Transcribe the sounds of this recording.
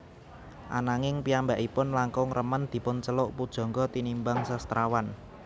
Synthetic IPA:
ʔa̰naŋɪŋpiambaʔipʊnlaŋkʊŋrʔəmənd̪̥i̤pʊnt͡ʃəlʊʔpud̥ʒ̥ɔ̤ŋɡɔt̪inimbaŋsast̪ɾʔawan

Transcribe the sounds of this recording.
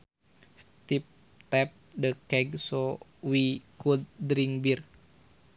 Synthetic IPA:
st̪ip̚ | t̪ɛp̚dəkɛɡsowikud̪̚dɾiŋbir

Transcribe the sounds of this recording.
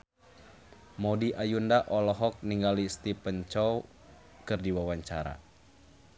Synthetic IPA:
mɔdiʔajundaʔɔlɔɦɔk̚niŋɡalist̪ipəɲt͡ʃɔw | kɨrdiwawaɲt͡ʃaɾa̰

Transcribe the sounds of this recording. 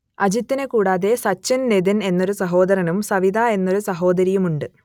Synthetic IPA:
ɐd͡ʑit̪ːinekuːɽaːðe̞sɐt͡ɕːɐnned̪ɐne̞nːo̞ɾusɐɦo̞ːd̪ɐɾɐnumsɐʋid̪ʱae̞nːo̞ɾusɐɦo̞ːd̪ɐɾijumuɳɖɨ

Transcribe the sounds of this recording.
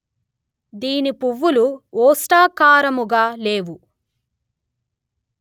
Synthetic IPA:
d̪iːnipuʋːuluɔːsʈaːkaːɾɐmuɡaːleːʋu

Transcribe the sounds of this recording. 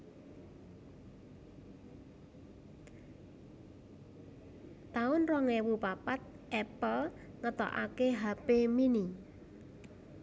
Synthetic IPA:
t̪aʊnrɔŋɛwupapat̪̚ | ʔɛpəl | ŋət̪ɔ̰ʔa̰keɦapemini

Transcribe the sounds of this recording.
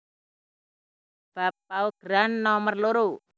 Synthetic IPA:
b̥a̤pːauɡ̥ɾanːɔmərluɾu

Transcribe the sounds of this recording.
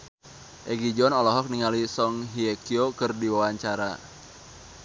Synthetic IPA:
ʔɛɡid͡ʒɔnɔlɔɦɔk̚niŋalisɔŋɦiekiokɨrdiwawaɲt͡ʃaɾa̰

